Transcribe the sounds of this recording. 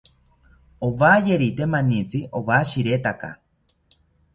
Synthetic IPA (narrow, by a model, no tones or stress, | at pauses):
owajeɾit̪emãnit͡siʔowaʃiɾet̪aka̰